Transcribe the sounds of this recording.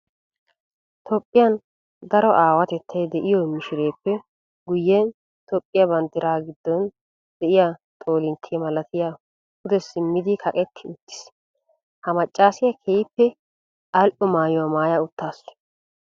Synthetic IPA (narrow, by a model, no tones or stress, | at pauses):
t̪ʰopʼːɪjɐn | d̪ɐɾɔʔaːwɐt̪ɛt̪ʰːɐjd̪ɛʔɪjɔmɪʃɪɾe̞ːpːɛ | ɡʊjːɛn | t̪ɔpʼːɪjɐbɐnt̪ːɪɾaːɡɪd̪ːɔn | d̪̥ɛʔɪjat̪ʼo̞ːlɪnt̪ʰːɪjɛmɐlɐt̪ɪja | ʊd̪ɛsɪmːɪd̪ɪkʰɐkʼɛt̪ːɪʊt̪ːɪ̥s | hɐmɐt͡ʃʼːaːsɪjɐkʰejpːɛ | ɐlʔɔmaːjɔwɐmaːjaʊt̪ːaːs